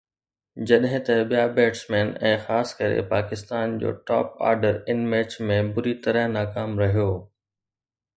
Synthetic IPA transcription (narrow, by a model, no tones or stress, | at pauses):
d͡ʑɐɗɦɪ̃t̪ɐɓijabeːʈsmeːnɛ̃ːxaːskɐɾḛpaːkɪst̪aːnd͡ʑo̰ːʈɔ̰ːpa̰ːɾɖəɾɪnmeːt͡ɕmẽbʊɾit̪ɐɾəɦnaːkaːmɾɐɦijoː